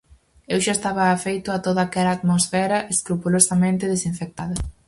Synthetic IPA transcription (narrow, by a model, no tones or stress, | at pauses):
ewʃaest̪aβ̞ɐːfejt̪ʊat̪oðaːkɛlaːt̪mosfɛɾɐʔeskɾupulosɐmẽnt̪ɪð̞esiɱfek̚t̪aðɐ